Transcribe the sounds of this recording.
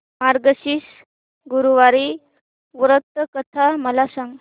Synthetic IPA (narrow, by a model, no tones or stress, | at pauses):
maɾɡəɕiːs | ɡuɾuʋaɾi | ʋɾət̪ːəkət̪ʰaməlasãŋɡ